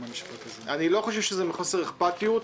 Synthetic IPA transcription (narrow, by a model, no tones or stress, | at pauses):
iʃpa | anilo̞χoʃ̬evʃezemiχoseʁeχpat̪ijut